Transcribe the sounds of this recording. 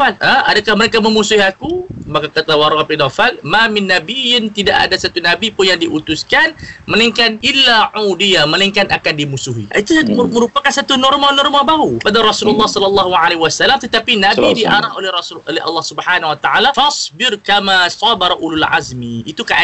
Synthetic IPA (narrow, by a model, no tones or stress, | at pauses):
aləadakahməɾekaməmusuhiakumakakat̪awaɾɔʔapinafalmamɪnːabijɪnt̪idaʔa̰dasat̪unabipʊnjaŋdiʔut̪uskanməniŋkanɪlːaʕudijaməniŋkanakandimusuɦiit̪uməɾupakansat̪unɔrmanɔrmabauəpadaɾɑsululːɑhsɔlɔlːɑɦuʕaleɦwasalːamt̪ət̪apinãbidiʔaɾaɦolɛrɑsulo̰lɛɦɑ̰lːɑhsubəhanawat̪aʔalafɑsbɪɾkamasˤɑbaɾaʔulalʕa̰zmiit̪ukaʔ